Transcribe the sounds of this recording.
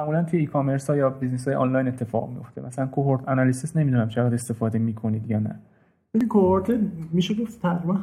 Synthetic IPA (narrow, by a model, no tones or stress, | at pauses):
mæʔmulænt̪ʰujeiːkʰome̞ɾsɒːjɒːbiznes̬ɒːjeʔɒ̰nlɒjne̞t̪ʰːe̞fɒ̰ɣmḭjo̞ft̪ʰemʔæsælænkʰoɦoɾt̪ʰænɒlisisne̞miːd̪unæmt͡ʃʰeɣæd̪e̞st̪e̞fɒːd̪e̞miːkʰo̞niːd̪jɒːnæ̰ | bed̪ikʰohoɾt̪ʰemiʃeɡoft̪t̪ʰæbɾibæn